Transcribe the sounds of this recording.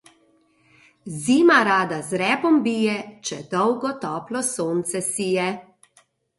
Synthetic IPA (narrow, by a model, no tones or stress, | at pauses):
ziːmaɾaːd̪azɾɛːpɔmbiːjɛt͡ʃɛd̪ɔwɡɔt̪ɔːplɔsoːnt̪sɛsijɛ